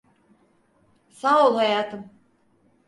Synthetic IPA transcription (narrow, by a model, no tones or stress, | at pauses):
saːulˠhajaːt̪ʰɯm